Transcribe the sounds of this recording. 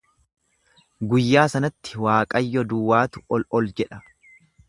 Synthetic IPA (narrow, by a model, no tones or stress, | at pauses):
ɡʊjːaːsɐnɐt̪ːɪ̥waːkʼɐjːɔd̪uːwaːt̪ʊ̥ɔlɔld͡ʒɛᶑɐ̥